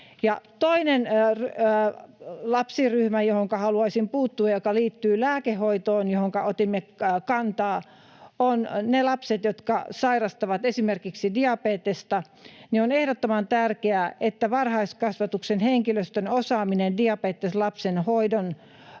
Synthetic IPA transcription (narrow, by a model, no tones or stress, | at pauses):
jɑ̰t̪oinenr | lɑpsiryhmæjohoŋkɑhɑluɑisimpuːt̪ːuɑjokɑliːt̪ːyːlæːkehːoit̪oːnjohoŋkɑʔot̪imːekɑnt̪ɑː | onnelɑpset̪jot̪kɑ̰sɑirɑst̪ɑʋɑt̪esimerkiksidiɑpeːt̪est̪ɑ | nionehdot̪ːomɑnt̪ærkeæʔet̪ːæʋɑrhɑiskɑsʋɑt̪uksenheŋkiløst̪ønosɑːminendiɑpeːt̪ːeslɑpsenhoidon